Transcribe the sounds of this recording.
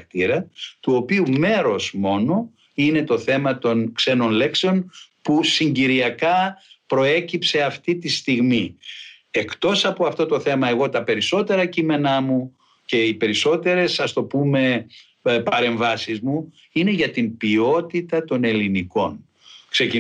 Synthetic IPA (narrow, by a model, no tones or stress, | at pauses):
k̚t̪iɾɐt̪uo̞piume̞ɾo̞zmo̞no̞ | ine̞t̪o̞θe̞mɐt̪o̞nkse̞no̞nle̞kseo̞npusiɲɟiɾiɐkɐpɾo̞e̞cipse̞ɐft̪it̪ist̪iɣmi | e̞kt̪o̞sɐpo̞ɐft̪o̞t̪o̞θe̞mɐe̞ɣo̞t̪ɐpe̞ɾiso̞t̪e̞ɾɐcime̞nɐmu | ce̞ipe̞ɾiso̞t̪e̞ɾe̞sɐst̪o̞pume̞ | pɐɾe̞ɱvɐsizmu | ine̞ʝɐt̪imbio̞t̪it̪ɐt̪o̞ne̞liniko̞n | kse̞ci